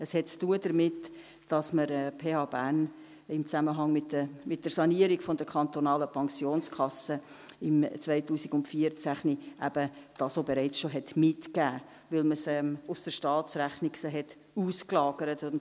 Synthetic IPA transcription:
əshɛtt͡stuədəɾmɪt | d̥ɑsməɾɛpʰeːɑːbæn | ɪmt͡sæməɦɑŋmɪtːəmɪt̚d̥əɾsɑniəɾiɡ̥fɔndəɾkʰɑnt̪onɑːləpʰɑŋsjoːnskʰɑsə | ɪmt͡svaɪtuːsiɡʊntfiəɾt͡sæχniʔæb̥əd̥ɑːsoːbeɾɛɪt͡sʃoɦɛtmɪtkæː | vɪlməsɛmʊsd̥əɾʃtɑːtt͡sɾæχnɪksəɦɛt | uːsklɑːɡ̥əɾətʊn

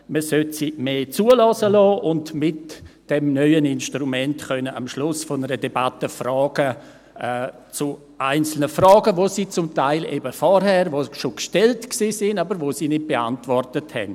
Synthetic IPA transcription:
məsøtsimeːt͡suːəlɔsəlɔːʔʊntmɪtd̥ɛmnœʏənɪnʃtrumɛntxœnəamʃlʊsfɔnəɾədɛbatəfrɔːɡ̥ə | ɛ | t͡su | ʔaɪnt͡sl̩nəfrɔːɡəʋosiːt͡sʊmtaɪlʔḛbəfɔɾhɛːɾvoːʃokʃtɛltksiːsɪnabəɾʋoːsiːnɪt̚b̥ea̰ntvɔrtəthɛ̰n

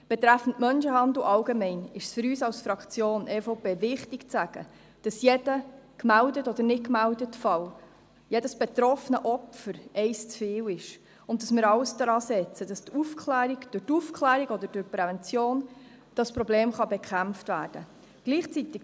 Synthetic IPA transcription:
b̥ɛt̪ɾæfən̩tmœnʃəhɑndl̩ʔɑlɡemɛɪnɪʃsfʏɾyːsɑwsfɾɑkt͡sjoːnʔɛːfoʊpeːvɪχtɪkt͡sæɡ̥ə̰ | d̥ɑsjɛdəkmældətɔd̥əɾnɪt̚kmældətfɑl | jɛdəsb̥et̪ɾɔfnəʔɔfəɾɛɪst͡sfeːwɪʃ | ʊntdɑsmɪːɾɑwsdɾɑːsɛt͡səd̥ɑst̪ʰufkʰlæːɾiɡd̥ʊtufkʰχlæːɾiɡɔd̪əd̥ʊɾpɾɛvɛnt͡sjoːn | d̥ɑspɾɔbleːmχɑbɛkχæmftvæːrd̥ə | ɡ̥liːχt͡sit̪ɪk

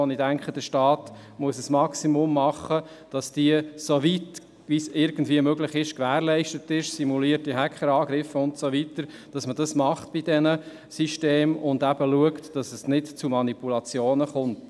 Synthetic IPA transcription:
ɔnidæŋkχəd̥əʃtɑːt | muəsəsmɑksimʊmːɑχːə | d̥ɑsd̥iəsovit | ʋisɪɾɡ̥ən̩dviəmøɡlɪχɪʃkʋæːɾlɛɪʃtətɪʃsimuliːəɾtːiɦækχəɾɑːɡɾɪfəʊntsovitəɾ | d̥ɑsməd̥ɑsmɑχtb̥idɛnə | siʃteːmʊndæbəluəktd̥ɑsəsnɪtt͡sumɑnipulɑt͡sjoːnəχʊnt

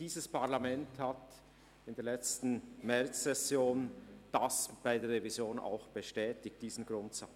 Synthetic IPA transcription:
iːzəspaʁlamɛnthat | ɪndeːɐlɛt͡stn̩mɛɾt͡sːɛsjoːnd̥asb̥aɪdeːɐʁevizjoːna̰ʊxb̥əʃtɛːtɪk̚td̥iːzn̩ɡɾʊntsat͡s

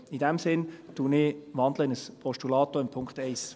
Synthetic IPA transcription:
idɛmsɪntuːnɪʋɑndləɪnəspʰɔʃtulɑːtoɪmpʰʊŋkχtɛɪs

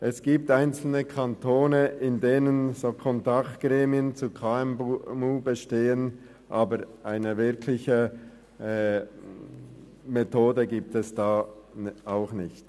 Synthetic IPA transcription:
ʔɛsɡ̥iːp̚taɪnt͡sl̩nəkʰantʰoːnəɪndeːnənzoːkʰɔntaktɡ̥ʁɛːmiənt͡sukʰaɛmmuːbəʃteːən | ʔaːbəɾʔaɪnəvɪɾkʰlɪçə | metʰoːdəɡiːp̚tɛsd̥aː | aʊxnɪçt

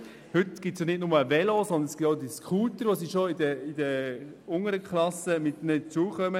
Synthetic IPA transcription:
hʏtɡ̥ɪtsjonɪtnʊməːvɛlosɔnd̪ənɛsɡ̥ɪtoʊdiskχuːtəɾʋosiʃoɪdəɪdə | ʊŋəɾəkʰχlɑsəmɪt̪nət͡suəχœmə

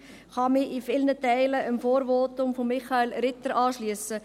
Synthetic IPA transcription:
χɑmɪʔifɪlnətæɪləʔəmfoːɾʋoːtʊmfɔmːɪχɑelɾɪt̪əɾɑːʃliəsə

